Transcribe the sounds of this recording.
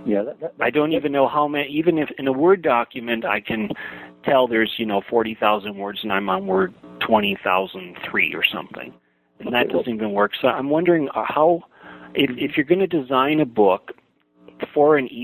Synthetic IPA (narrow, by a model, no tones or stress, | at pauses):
jæaɪdõʊ̃ntivɨ̃nːoʊɦaʊmɛivɨ̃nɨfɨ̃nəwɜ˞dɑkjɨmɨ̃nta̰ɪkʰɨ̃ntʰɛlˠðə˞zjɨnoʊfɔɹɾiθaʊzɨ̃nd̚wɜ˞dzɨ̃nãɪ̃mə̃nwɜ˞d̚tʰw̥ɛ̃ɾ̃iθa̰ʊzə̃n̩θɹḭə̰˞sʌ̰̃mθɪ̰̃ŋ | ɨ̃nnðɨtd̥ʌz̃nvɨ̃nwɜ˞ksoʊã̰ɪ̃mwʌ̃ndə˞ɪ̃ŋhaʊ | ʔɪfɪfjə˞ɡʌnɨdɨzãɪ̃nɨbʊk | fə˞ɨ̃ni